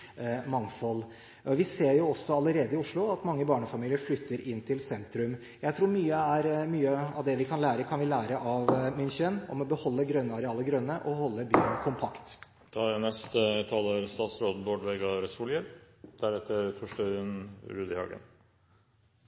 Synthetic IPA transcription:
mɑŋfɔlː | ʔɔʋɪseːɾjʊɔsːɔɑləɾeːd̪əɪʊʂɭʊɑt̪mɑŋːəbɑːɳəfɑmiːlɪəɾflʏt̪ːəɾɪnːt̪ʰɪlsɛnt̪ɾʉm | jæɪt̪ʰɾuːɾmyːəæɾmyːəɑʋd̪ɛʋɪkʰɑnlæːɾəkʰɑnʋɪlæːɾəʔɑʋmɪnçənɔmɔbəhɔlːəɡɾœnːəɑɾɛɑːləɡɾœnːəʔɔhɔlːəby̰ːənkʰʊmpʰɑkt̪ | t̪ʰɑnɛst̪ət̪ʰɑləɾst̪ɑːt̪sɾoːd̪n̩boːɖʋɛɡɑɾɛsuljəɾ | d̪̥æɾɛt̪ʰːəɾt̪ʰɔʂʈœənɾʉːd̪ɪhɑ̰ɡə̰n

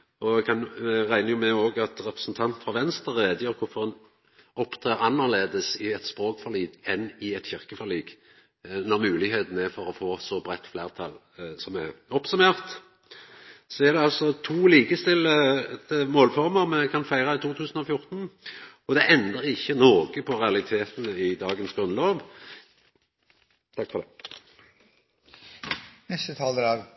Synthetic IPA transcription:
ɔkʰɑnɛʁæɪnəjʊmɛoːɡɑt̪ʁɛpɾəsnt̪ʰɑnt̪fɑʋɛnst̪əɾːeːd̪jəɾkʰʊɾfɔʁɛn | ɔpt̪ʰʁeːʁɑnːəʁleːd̪əsɪɛt̪spɾoːkfɔʁliːd̪ɛnɪɛt̪çɪʁkəfɔʁliːɡ | nɔʁmʉːlɪɦeːt̪n̩æfɔɾɔfoːsɔbɾɛt̪ːfleːʁt̪ʰɑl | sɔmɛɔpsʉmeːʁt̪ | sɔæʁd̪ɛɑlsɔt̪ʰuːliːkəst̪ɪlːət̪əmoːlfɔʁməʁmɛkʰɑnfæɪʁɑɪt̪ʰuːt̪ʰʉːsənɔfjʊʁt̪n̩ | ɔd̪ɛʔɛnd̪əʁɪçːənoːɡəpʰɔʁɛɑlɪt̪ʰeːt̪ənəɪd̪ɑːɡənsɡʁʉnloːʋ | t̪ʰɑkːfɔʁd̪ɛː | nɛst̪ət̪ʰɑːld̪ədɑːɡ

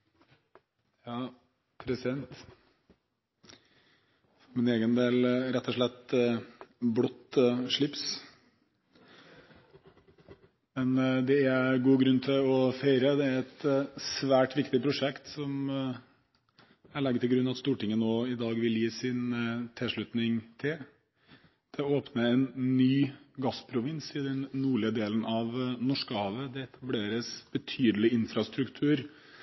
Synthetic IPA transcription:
jɑː | pʰɾɛsɪd̪ɛnt̪ | fɔɾmɪneːɡənd̪eːlɾɛt̪ʰːɔʂɭɛt̪ː | blɔt̪ːʂɭɪps | mɛnd̪ɛæɾɡuːɡɾʉnːt̪ʰɪlɔfeɪɾəd̪ɛæɾɛt̪sʋæːʈʋɪkt̪ɪpʰɾʊʂɛkt̪sɔm | æɭɛɡːət̪ʰɪlɡɾʉnːɑt̪st̪uːʈɪŋːənoːɪd̪ɑːɡʋɪljiːsɪnt̪ʰɪʂɭʉt̪nɪŋt̪ʰɪl | d̪̥ɛoːpnəɛnnyːɡɑspʰɾʊʋɪnsɪd̪ɛnːuːɭɪəd̪eːlənʔɑʋnɔʂkəhɑːʋəd̪ɛɛt̪ʰɑbleːɾəsb̥ət̪ʰyːd̪əlɪɪnfɾɑst̪ɾʉkt̪ʰʉːɾ

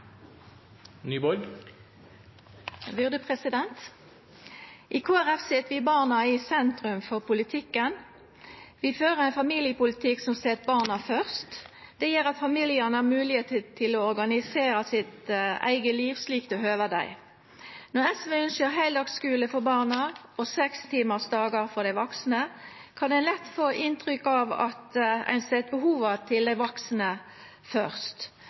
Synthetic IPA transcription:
nyːbɔlɡ | ʋʏʁd̪əpʰʁɛsɪd̪ɛnt̪ | ʔɪkʰoːæʁɛfsɪt̪ʋɪbɑːʁnɑɪsɛnt̪ʁʉmfɔʁpʰʊlɪt̪ʰɪkːən | ʋɪføːʁəʁæɪnfɑmiːljəpʊlɪt̪ʰɪksɔmsɛːt̪̚bɑːʁnɑfœʁst̪d̪̥ɛjiːʁɑt̪fɑmiːljɪənəæmʉːlɪheːt̪ət̪ʰɪloɔʁɡɑnɪseːɾɑsɪt̪æ̰ɪɡəliːʋsliːkt̪ɔɦøːʋəd̪æ̰ɪ | nɔʁɛsʋeːʏnʃəɾɦæɪld̪ɑːɡskʉːləfɔbɑːʁnɑʔɔsɛkst̪ʰiːməsd̪ɑːɡɑʁfɔd̪æɪʋɔksnəkʰɑnd̪ɛɪnlɛt̪ːfoːʔɪnt̪ʁʏkːɑʋɑ̰t̪æ̰ɪnsɛt̪̚bəɦuːʋɑt̪ʰɪld̪æɪʋɔksnə | fœʁst̪

